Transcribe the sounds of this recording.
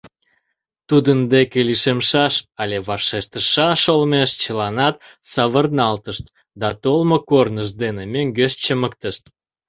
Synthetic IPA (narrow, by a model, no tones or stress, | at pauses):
t̪ud̪ənd̪ekeliʃemʃɑʃɑlʲeβɑʃeʃt̪əʃɑʃolmeʃt͡ɕəlɑnɑt̪sɑβərnɑlt̪əʃt̪ | d̪ɑt̪olmokornəʃd̪enemøŋɡeʃt͡ɕəməkt̪əʃt̪